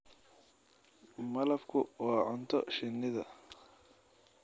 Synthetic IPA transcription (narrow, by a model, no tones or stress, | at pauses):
mɐlɐfkʰʊwɑːʕʊnt̪ʰɔʃɪnːɪðɐ